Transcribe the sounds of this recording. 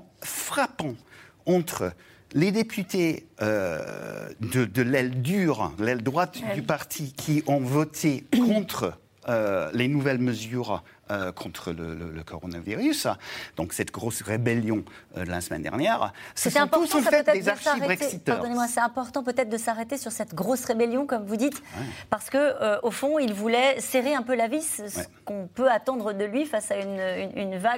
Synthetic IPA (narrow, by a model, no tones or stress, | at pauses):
fχapɑ̃ | ɑ̃t̪χə | led̪epʰyt̪eø | d̪əd̪əlɛld̪yʁd̪əlɛld̪ʁwat̪d̪ypaʁt̪ʰikʰʲiʔɔ̃vɔt̪ʰekʰɔ̃t̪χə | ølenuvɛlməzyʁ | økʰɔ̃t̪χələ̰lə̰ləkʰɔʁɔnaviʁysd̪̥ɔ̰̃ksɛt̪ɡʁosʁebɛljɔ̃ø̰d̪əla̰səmɛ̰nd̪ɛ̰ʁnjɛʁssɛt̪ɛɛ̃pɔt̪ɑfɛøt̪ɛezdasaʁeʁɛksit̪aʁd̪ɔnemwasɛt̪ɛ̃pɔʁt̪ɑ̃p̬øt̪ɛt̪χd̪əsaʁet̪esyʁsɛt̪ɡʁosʁebeljɔ̃kɔmvud̪it̪wpaʁsə̥kəøʔofɔ̃ilvulɛseʁeɛ̃pølavissə̥kɔ̃pøat̪ɑ̃d̪ʁəd̪əlɥifasaynøyynva